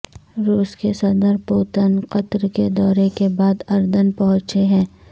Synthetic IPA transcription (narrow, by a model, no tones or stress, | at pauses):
ɾuːskesɐd̪əɾpoːt̪ənqɐt̪ɾked̪ɔːɾekebaːd̪ɐɾd̪ənpɐɦʊ̃t͡ʃeɦɛ̃ː